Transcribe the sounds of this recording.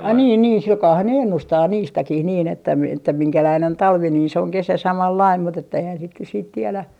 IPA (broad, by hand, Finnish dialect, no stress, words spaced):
ɑi niːn niːn silkɑːhɑn ne enːustɑː niːstækih niːn etːæ mi etːæ miŋkælæin on tɑlʋi niː se oŋ kesæ sɑmɑlːɑim mut etːæ eihæn sit nyt siːt tielæ